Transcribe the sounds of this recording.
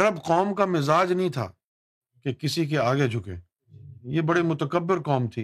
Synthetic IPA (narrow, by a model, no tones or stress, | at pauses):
ɐɾəbqɔːmkamɪzaːd͡ʒnɐɦĩt̪ʰa̰ː | kekɪsik̬eaːɡed͡ʒʱʊkḛ̃ː | jebɐɽimʊt̪əkəbːɪɾqɔːmt̪ʰiː